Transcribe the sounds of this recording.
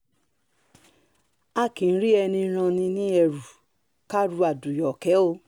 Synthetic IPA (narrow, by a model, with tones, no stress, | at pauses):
a˦˨kĩ˨˦ɾi˦ɛ˧nĩ˧˦ɾ̃ã˧nĩ˧nĩ˦ɛ˧ɾu˨ | ka˦ɾu˧a˨du˨jɔ˨kɛ˨˦o˧